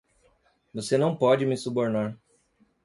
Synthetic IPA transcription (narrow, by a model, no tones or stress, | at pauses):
vosenɐ̃w̃pɔd͡ʒɪmɪsuboɾnaɾ